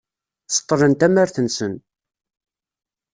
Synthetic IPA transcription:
sə̥t̪ˤːɾənt̪æmæɾθənsən

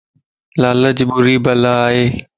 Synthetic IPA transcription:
laːləd͡ʑɓʊɾiːbɐlaːɦeː

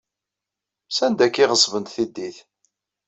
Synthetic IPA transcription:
sænd̪ækːɪʁəsˤvənt̪θid̪ːiθ

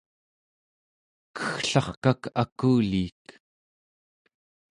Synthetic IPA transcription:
kə̥xɬɑχkakakuːliːt̪

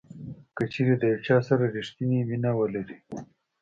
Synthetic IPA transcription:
kət͡ʃeːɾed̪əjawt͡ʃɑsaɾaɾiʂt̪iniminawəlaɾi

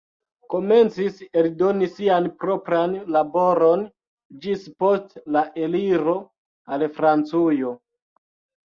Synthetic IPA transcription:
ko̞me̞nt͡siseldo̞nisianpɾo̞pɾanlabo̞ɾo̞n | d͡ʒispo̞stlaʔeliɾo̞ | alfɾant͡sujo̞

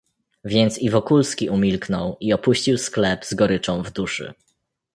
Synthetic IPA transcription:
vʲjɛnt̪sivɔkulskʲiʔumʲilknɔwiɔpuɕt͡ɕiwsklɛbzɡɔɾɘt͡ʂɔ̃w̃vd̪uʂɘ̰

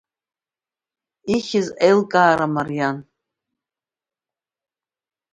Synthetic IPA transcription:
iχʲɪzejlkʼaːɾamarjan

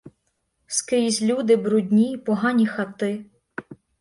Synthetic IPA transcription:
skɾʲizʲlʲud̪ɪbɾʊdʲnʲipɔɦɑnʲixɐt̪ɪ

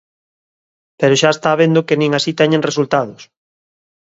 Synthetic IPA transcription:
peɾoʃaest̪aβend̪okenĩŋasit̪ɛɲẽŋresult̪aðʊs

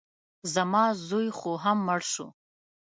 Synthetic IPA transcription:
zamazujχʷuɦamːɐrʂṵ

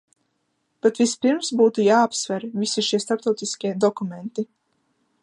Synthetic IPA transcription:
pɛt̪vʲispiɾmsbuːt̪ujaːapsvʲɛɾvisiʃiɛst̪aɾpt̪ɔwt̪iskʲiɛd̪ɔkument̪i

